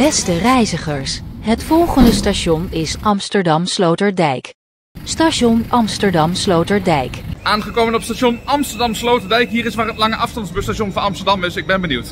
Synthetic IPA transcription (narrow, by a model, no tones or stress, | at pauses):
b̥ɛstərɛjzəχəɹsɦətfɔlˠχəndəstaʃɔnɪsʔɑmstəɹdɑmslowtəɹdɛjk | staʃɔnɑmstəɹdɑmslowtəɹdɛjkʔaːnχəkowmənɔpstaːʃɔnɑmstəɹdɑmslowtəɹdɛjkɦiːɾɪsʋaːɹɦətlɑŋəʔɑfstɑndzbəstaʃonvɑnɑmstəɹdɑmɪsɪɡ̚bɛnbəniwt